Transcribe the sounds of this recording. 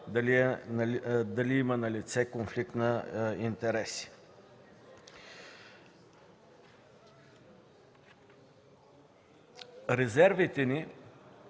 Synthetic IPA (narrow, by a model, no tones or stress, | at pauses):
d̪ɐliɛnd̪ɐliimɐnɐlit̪sɛkonflik̚t̪nɐint̪ɛɾɛsi̥ | ɾɛzɛɾvit̪ɛni